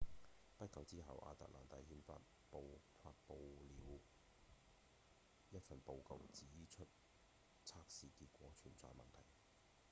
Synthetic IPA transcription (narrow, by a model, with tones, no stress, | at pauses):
pɐ˥t̚kɐ˨˧wt͡siː˥ɦɐ˨˩wʔa̰ː˧t̪a̰ː˨k̚laː˨˩nt̪ɐ˨˩jhiː˨˧nfa̰ː˧t̚ | po˨˧wfaː˧t̚po˧wliː˨˧˥w | jɐ˥t̚fɐ˨˩npo˨˧wkɐ˨˧wt͡siː˨˥t͡ʃʰɵ˥t̚ | t͡sʰaː˥k̚siː˨kiː˧t̚kʷɔː˨˥t͡ʃʰyː˨˩nt͡sɔ̰ː˧jmɐ˨nt̪ʰɐ˨˩j